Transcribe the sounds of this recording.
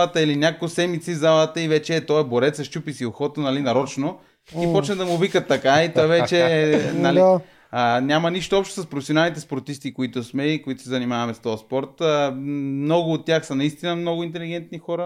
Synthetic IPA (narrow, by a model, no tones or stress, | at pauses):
ət̪əilinʲakoksɛmit̪sivzalˠət̪əivɛt͡ʃɛːt̪ɔɛboɾɛt̪sɐʃt͡ʃupisioxɔt̪onalinɐɾɔt͡ʃno | ipɔt͡ʃnəd̪ɐmʊvikət̪ːɐkait̪ɔɛvɛt͡ʃɛnali | ənʲamɐniʃt̪oɔpʃt̪o̥sɐspɾofɛsionalˠnit̪ɛspoɾt̪ist̪ikoit̪ʊsmɛikoit̪ʊ̥sɛzɐnimavɐmɛst̪ɔjɐspɔɾt̪əmnɔɡʊːt̪ːʲjaxsənɐist̪inəmnɔɡʊint̪ɛliɡ̟ɛnt̪nixɔɾə